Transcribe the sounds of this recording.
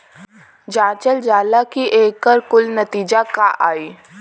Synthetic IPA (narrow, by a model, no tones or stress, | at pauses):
d͡ʒãːt͡ʃəld͡ʒaːlakiʔeːkːəɾkʊlnɐt̪iːd͡ʒakaʔaːiː